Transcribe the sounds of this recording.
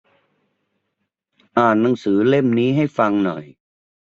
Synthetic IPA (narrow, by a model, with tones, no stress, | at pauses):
ʔaː˨˩nːa˩˦ŋsɯː˩˦le˥˩mniː˦˥ɦa˥˩jfa˧ŋnɔ̰˨˩j